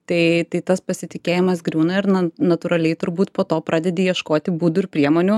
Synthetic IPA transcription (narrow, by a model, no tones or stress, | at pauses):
t̪ɐɪt̪ɐɪt̪ɐspɐsʲɪt̪ʲɪkʲeːjɪmɐs̬ɡɾʲuːnɐɪɾnɐnɐt̪ʊːɾɐlʲɛɪt̪ʊɾbuːt̪poːt̪oːpɾʔɑːd̪ʲɛd̪ʲeːjiɛʃkoːt̪ʲɪbuːd̪ʊɪɾpʲɾʲiɛmoːnʲu